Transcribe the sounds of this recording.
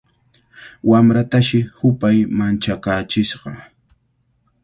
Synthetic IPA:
wamɾat̪aʃɪhʊpajmant͡ʃakaːt͡ʃɪʃɢɑ

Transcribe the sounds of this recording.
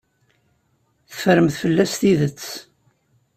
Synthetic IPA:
θə̥fəɾəmθfəlːæst̪iðət͡sː

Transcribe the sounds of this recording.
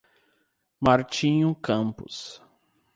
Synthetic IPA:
maɾt͡ʃĩɲʊkɐ̃mpʊ̰s

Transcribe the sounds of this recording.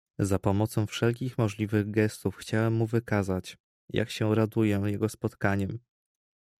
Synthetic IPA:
zapɔmɔt̪sɔ̃w̃fʂɛlk̬ʲixmɔʐlʲivɘɣɡɛst̪ufxt͡ɕawɛmːuvɘkazat͡ɕ | ja̰kɕɛɾat̪ujɛjɛɡɔspɔt̪kaɲɛm

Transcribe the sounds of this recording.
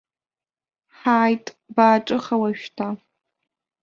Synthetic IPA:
ħaːjtʼ | baːʈ͡ʂʼɨχawaʃᶣtʰa

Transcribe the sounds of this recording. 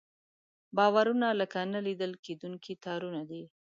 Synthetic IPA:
bɑwaɾunaləkanalid̪əlked̪uŋkʰit̪ɑɾunad̪i

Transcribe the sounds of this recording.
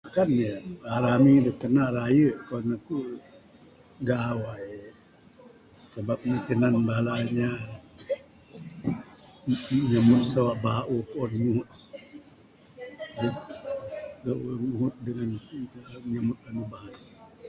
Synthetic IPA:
akanjəaɾamidəkənaʔɾajəʔkonəkuʔ | ɡaːwaj | səbap̚ɲat̪ənanbalaɲa | ɲəmut̪̚sawaʔbaʔukɔnmuɦut̪̚ | də | ɡaŋuɦut̪̚dəŋan | ɲəmut̪̚kanəbahas

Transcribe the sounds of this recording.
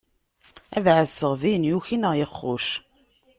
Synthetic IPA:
æðʕəsːəʁðinjuçinəʁjəχːʊ̰ʃ

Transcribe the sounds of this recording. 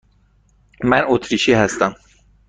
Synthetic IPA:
mænot̪ʰɾiʃiɦæst̪æm

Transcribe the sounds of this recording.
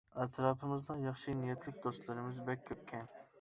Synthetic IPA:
æt̪ʰɾɑːpʰɨmɪzd̪ɑjɑχʃɨnijɛt̪ʰlɪk̚ʲd̪ost̪lˠɨɾɪmɪzbɛkʲʰːøp̚kʲʰɛn

